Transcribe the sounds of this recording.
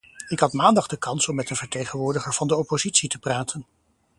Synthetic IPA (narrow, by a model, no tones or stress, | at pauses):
ɪkɦɑtmaːndɑχdəkɑnsɔmːɛtənvəɹtejχənʋʊːɹdəχəɹv̥ɑndəɔpozitsitəpraːtʰən